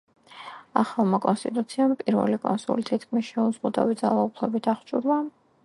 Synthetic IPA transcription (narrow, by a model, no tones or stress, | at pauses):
a̰χalˠmakʼɔnst̪ʼit̪ʼut̪sʰiampʼiɾvɛ̰likʼɔ̰nsṵlit̪ʰit̪kʰmisʃɛuzʁud̪a̰vid̪zalˠaupʰlɛbit̪ʰaχt͡ʃʼuɾlˠa